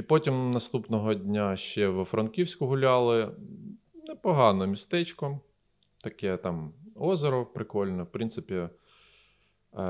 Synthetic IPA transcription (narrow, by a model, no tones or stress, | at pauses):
ipɔtʲimnɐst̪upnɔɦɔdʲnʲaʃt͡ʃɛwfɾɐnkʲiwsʲkʊɦʊlʲɑlˠɪ | nɛpɔɦɑnɔmʲist̪ɛt͡ʃkɔ | t̪ɐkɛt̪ɑmɔzɔɾɔpɾɪkɔlʲnɛwpɾint̪sɪpʲi